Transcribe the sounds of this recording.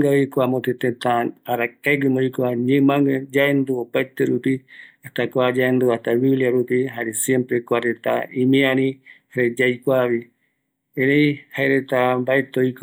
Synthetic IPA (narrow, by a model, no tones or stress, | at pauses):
ɡaikwamot̪et̪ẽt̪ãaɾakaɡɨmoikʷaɲɨ̃mãŋɡad͡ʒaend̪uopajt̪eɾupiaht̪akʷad͡ʒaend̪uat̪aβiliaɾupiɦaɾesjẽmpɾekʷaɾet̪a̰ĩmĩãɾĩhaɾed͡ʒajkʷaβi | ẽɾej̃haeɾet̪ambaet̪oik